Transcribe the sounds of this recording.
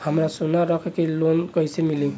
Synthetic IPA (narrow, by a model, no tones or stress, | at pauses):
həmɾasunaɾəkʰkelonkəjsemilĩŋ